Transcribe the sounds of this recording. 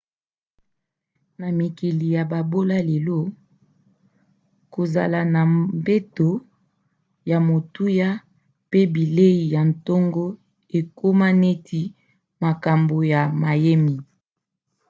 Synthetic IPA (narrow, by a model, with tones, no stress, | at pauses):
na˨mi˨ki˨li˨ja˨ba˨bo˦la˦le˨lo˦ | ko˨za˨la˨na˨mbe˦to˨ | ja˨mo˨tu˦ja˦ | pe˦bi˨le˦i˨ja˨n˨to˦ŋɡo˦ | e˨ko˦ma˦ne˦tʰi˦ | ma˨ka˨mbo˨ja˨ma˨je˦mi˨